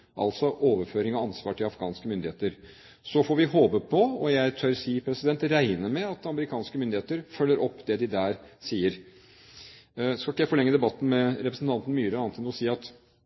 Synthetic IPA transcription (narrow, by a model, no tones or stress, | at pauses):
ʔɑ̰lt̪sɔʔoːʋəɾføːɾɪŋɔɑnsʋɑːʈʰɪlɑfɡɑːnskəmʏnd̪ɪheːt̪əɾ | sɔfoːɾʋɪɦoːbəpʰɔɔjæɪt̪ʰøɾsiːpʰɾɛsɪd̪ɛnt̪ɾæɪnəmɛɑt̪ɑməɾɪkʰɑːnskəmʏnd̪ɪheːt̪əɾfœlːəɾʔɔpːd̪ɛd̪ɪd̪æːɾsiːəɾ | skɑlkəjæfɔlɭɛŋːəd̪ɛbɑt̪ːn̩mɛɾɛpɾəsn̩t̪ɑnt̪ən̩myːɾəɑːnt̪ɪnɔsiːɑt̪